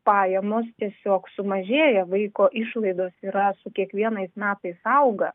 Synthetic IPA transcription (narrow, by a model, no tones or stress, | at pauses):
pɑːjɛmoːst̪ʲiɛsʲoːksʊmɐʒʲeːjɛʋɐɪkoːʔɪʃlˠɐɪd̪oːsiːɾɐsʊkʲiɛkʋʲiɛnɐɪsmʲæːt̪ɐɪsɐʊɡɐ